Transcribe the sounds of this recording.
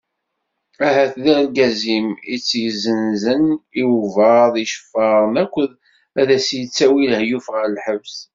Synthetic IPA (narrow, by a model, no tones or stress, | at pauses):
æɦæθðæɾlɡæzimit͡sːjzənzəniwvəðˤiʃfːɑɾˤənækʷːəð | æðæsjət͡sːæwilhjufʁəɾəlħəvs